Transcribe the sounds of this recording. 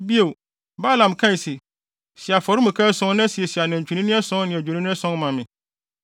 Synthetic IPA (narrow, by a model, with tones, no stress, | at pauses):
bi˦e˨ | ba˦lã˨mkʰã˦i˨si˨ | si˨a˨fɔ˨ɾɪ˦mũ˨kʰã˦sʊ̃˦nã˦si˨e˨si˨a˨nɛ̃˨ɲ˨t͡ɕᶣʰi˨nĩ˦nɪ̃˦ɛ˦sʊ̃˦n˦nɪ̃˨æ˨o˨nĩ˦nɪ̃˦ɛ˦sɔ̃˦nmã˨mɪ̃˨